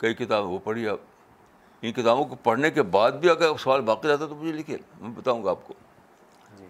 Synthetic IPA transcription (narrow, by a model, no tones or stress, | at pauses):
kɐikɪt̪aːbẽʋopɐɽ̤iaːb | ɪnkɪt̪aːbõkopɐɽ̤nekebaːd̪̚bʱiɐɡəɾsɐʋaːlbaːqid͡ʒaːt̪aet̪omʊd͡ʒʱelɪkʰḛːlmɛ̃bɐt̪aːũːŋɡaaːp̚ko